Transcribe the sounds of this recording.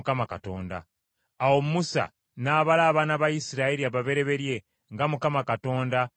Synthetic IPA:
kamakato̞ːnda̰ː | wommusa̰ | naːβalaːβanaβajisiɾaeɾiaβaβe̞ɾe̞βe̞ɾje̞ | ŋɡamukamakato̞ːnda

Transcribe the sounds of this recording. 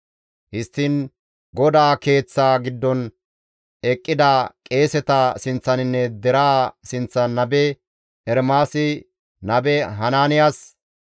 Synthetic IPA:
hɪst̪ːiːn | ɡɔd̪aːke̞ːt͡sːaːɡɪd̪ːɔn | ɛkʼːɪd̪akʼe̞ːsɛt̪ɐsɪnt͡sːɐnɪnːɛd̪ɛɾaːsɪnt͡sːɐnɐbɛ | ɛɾmaːsɪ | nɐbɛɦɐnaːnɪjaːs

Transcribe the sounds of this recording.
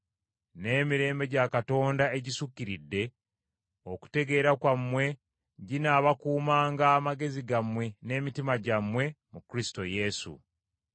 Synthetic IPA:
ne̞ːmiɾe̞ːmbe̞ɟakato̞ːndae̞ɟisukːiɾidːe̞ | oku̥te̞ɡe̞ːɾakwamwe̞ | ɟinaβakuːmaːŋɡaːmaɡe̞ziɡamwe̞ne̞ːmitimaɟamwe̞mukɾisi̥to̞je̞sṵ

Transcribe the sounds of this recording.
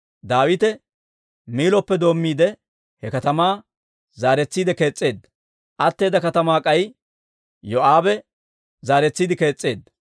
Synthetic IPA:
d̪aːwɪt̪ɛ | miːlɔpːɛd̪o̞ːmːiːd̪ɛ | hɛkɐt̪ɐmaː | zaːɾɛt͡sːiːd̪ɛke̞ːt͡sʼːe̞ːd̪ːɐ | ʔɐt̪ːe̞ːd̪ɐkɐt̪ɐmaːkʼɐj | jɔʔaːbɛ | zaːɾɛt͡sːiːd̪ɪke̞ːt͡sʼːe̞ːd̪ːɐ

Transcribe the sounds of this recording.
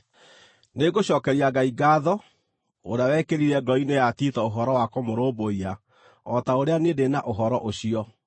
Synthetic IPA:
neɡoɕɔkɛɾiaɡaiɡaːðɔ | oɾeawɛkeɾiɾɛɡɔinejatitɔoɦɔɾɔwakomoɾoːboia | ɔtaoɾeanedenaʔoɦɔɾɔʔoɕiɔ

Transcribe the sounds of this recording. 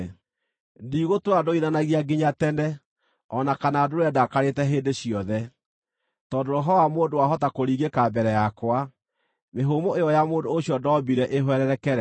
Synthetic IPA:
ndiːɣotoɾadoiðanaɣiaɡiɲatɛnɛ | ɔnakanadoɾoɛdakaɾetɛɦeːndeɕiɔðɛ | tɔːdoɾoɦɔwamoːndowaɦɔtakoɾiɡekabɛɾɛjakwa | meɦomoejɔjamoːndoːɕjɔdɔbiɾɛʔeɦwɛɾɛɾɛkɛɾɛ

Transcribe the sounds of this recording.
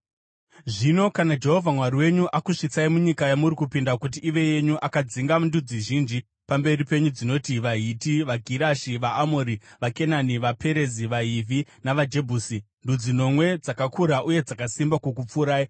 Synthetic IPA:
ʐino̞kanad͡ʒe̞ɦo̞vʱamwariwe̞ɲuʔakuʂit͡saimuɲikajamuɾikupindakut̬iʔːʋe̞je̞ɲuʔakad͡ziŋɡandud͡ziʒind͡ʒi | pambe̞ripe̞ɲud͡zino̞tiʋaɦitiʋaɡʱiɾaʃiʋaːmoɾiʋake̞naniʋape̞ɾe̞ziʋaɦivʱinaʋad͡ʒe̞bʱuːsi | ndud͡zino̞mwe̞d͡zakakʰuɾaʔuje̞d͡zakasimbakuk̬up͡fuɾaːi

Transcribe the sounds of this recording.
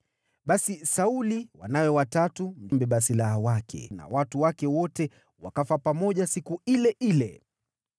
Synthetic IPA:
ɓasisauliwa̰nawɛwatatundimbɛɓasilahawakʰɛ̰na̰watuwakɛwɔtɛ | wa̰kafapamɔʄasikuilɛʔilɛ̰

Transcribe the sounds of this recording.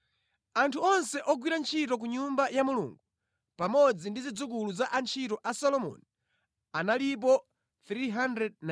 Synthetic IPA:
antʰuɔnsɛʔɔɡwiɾant͡ʃʰitɔk̬uɲumbajamulṵːŋɡu | pamɔd͡zindizid͡zuk̬uluzaʔant͡ʃʰitɔʔasɔlɔmɔ̰ni | analip̬ɔ | θɾiɦandɾɛd̚na

